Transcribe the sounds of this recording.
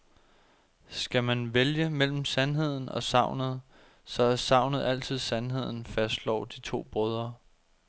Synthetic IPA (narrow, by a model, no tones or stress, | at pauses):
sɡ̥æmænʋeljəmel̰m̩sænɦe̝ð̞̰ˠn̩ɒ̽sɑ̈ʊ̰nð̞̩ˠ | sɒ̽æɐsɑ̈ʊ̰nəð̩ˠæl̰t͡sʰið̞̰ˠsænɦe̝ð̞̰ˠn̩fæsd̥lɒ̰ʊd̥it͡sʰo̝̰ːb̥ʁɔð̞ˠɐ